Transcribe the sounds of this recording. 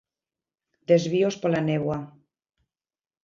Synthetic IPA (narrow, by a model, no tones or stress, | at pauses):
d̪ezβiospolaneβwa